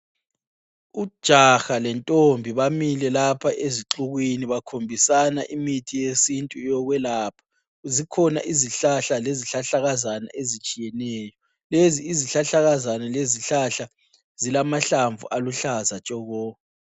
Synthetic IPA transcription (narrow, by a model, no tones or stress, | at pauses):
ud̥ʒ̥ʱaxalɛntʼombʱiβamilɛlapʰaʔeziǁuɣwiniβakʰombʱisana̰ʔimitʰijesintʼujɔɣwɛlaːpʰḁ | uzikʰɔna̰ʔiziɬaɬaleziɬaɬaɣazana̰ʔezit͡ʃʼijɛnɛːjɔ | leziːziɬaɬaɣazanɛleziɬaɬa | z̥ilamaɬaɱvuʔaluɬazat͡ʃʼɔɣɔː